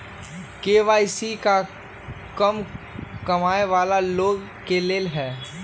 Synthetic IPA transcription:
keːʋaːisika | kɐm | kɐmaːeʋaːlaloːɡ | keleːlɦɛː

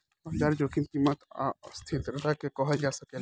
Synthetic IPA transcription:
ɐd͡ʒaɾd͡ʒoːkʰint̪imət̪a̰st̪ʰit̪ɾɐt̪akekɔɦəd͡ʒasɐke

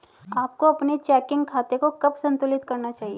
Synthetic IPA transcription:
aːp̚koɐpnet͡ʃɛːkɪ̃ŋɡkʰaːt̪ekokɐbsɐ̃nt̪ʊlɪt̪kɐɾnat͡ʃaːɦieː

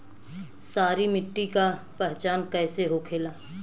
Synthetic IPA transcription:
saːɾimɪʈːika | pɛɦt͡ʃaːnkɛːseɦokʰeːlaː

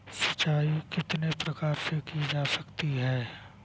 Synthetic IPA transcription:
sɐ̥t͡ʃaːikɪt̪nepɾɐkaːɾsekid͡ʒaːsɐkt̪iɦɛː

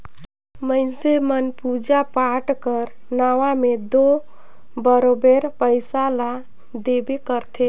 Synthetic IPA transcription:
məɪnsemənpud͡ʒapaʈkəɾ | naʋamed̪o | bəɾobeɾpəɪsala | d̪ebekəɾt̪ʰe

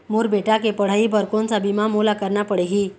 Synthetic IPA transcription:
muɾbeʈakepəɽ̤aiːbəɾkont͡sabimamolakəɾɳapəɽeɦi

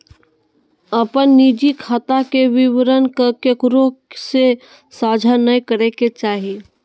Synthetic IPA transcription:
əpənːiːd͡ʒikʰaːt̪akeʋɪʋɾənkəkekɾose | saːd͡ʒʱanəikəɾeket͡ʃaːɦie

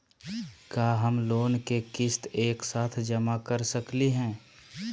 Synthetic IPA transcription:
kaːɦəmloːnkekɪst̪eːksaːt̪ʰd͡ʒəmakəɾsəkliɦɛ̃ː

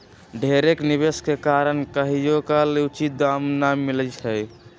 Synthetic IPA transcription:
ɖʱeɾekniβeskekaɾənkəɦijokaleut͡ʃid̪amnamilət͡ʃʰɛj

